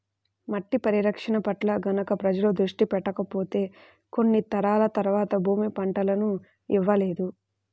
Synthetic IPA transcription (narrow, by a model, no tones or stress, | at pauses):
mɐʈːipɐɾiɾɐkʂɐnɐpɐʈlɐɡɐnɐkɐpɾɐd͡ʒɐlud̪ɾuʂʈipɛʈːɐkɐpo̞ːt̪e̞ː | ko̞nːit̪ɐɾaːlɐt̪ɐɾʋaːt̪ɐbʱuːmipɐɳʈɐlɐnu | iʋːɐle̞ːd̪u